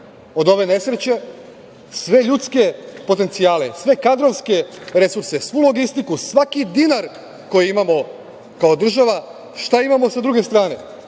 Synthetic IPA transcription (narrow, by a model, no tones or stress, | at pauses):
o̞d̪o̞ʋe̞ne̞sɾet͡ɕe̞ | sʋe̞ʎut̪ske̞po̞t̪e̞nt̪siaːle̞̰sʋe̞kad̪ɾo̞ʋske̞ɾe̞suɾse̞sʋulo̞ɡist̪ikusʋakid̪inaɾ | ko̞jiimamo̞ | kao̞d̪r̩ʒaʋa | ʃt̪aimamo̞sad̪ɾuɡe̞st̪ɾaːne̞̰